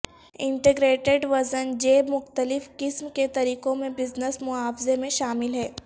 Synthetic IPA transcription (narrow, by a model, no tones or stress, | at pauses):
ɪ̃ɳʈeɡɾeːʈeɖʋɐzənd͡ʒeːbmʊxt̪əlɪfkɪsmket̪ɐɾiːkõmẽbɪznəsmʊɦaːfɪzemẽʃaːmɪlɦɛː